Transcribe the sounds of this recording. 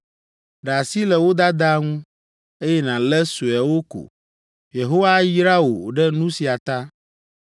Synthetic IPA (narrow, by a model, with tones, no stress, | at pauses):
ɖa˨si˦lɛ˨wo˦d̪a˦d̪a˦ŋũ˦ | e˦jɛ˦nã˨lɛ˦su˨ɛ˨wo˦ko̰˨ | je˨ɦo˦wa˦ji˦ɾa˦wo˨o˨ɖɛ˦nũ˦si˨a˨t̪a˦